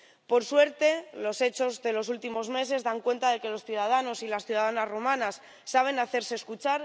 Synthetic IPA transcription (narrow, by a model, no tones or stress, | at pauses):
po̞ɾswe̞ɾt̪e̞lo̞se̞t͡ʃo̞zðe̞lo̞sult̪imo̞zme̞se̞zðaŋkwe̞nt̪aðe̞ke̞lo̞sθjuð̞að̞ano̞silasθjuð̞aðanazrumãnasː | aβ̞e̞naθe̞ɾse̞ːskut͡ʃaɾ